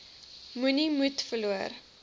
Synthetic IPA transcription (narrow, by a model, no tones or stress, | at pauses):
munimutfəluər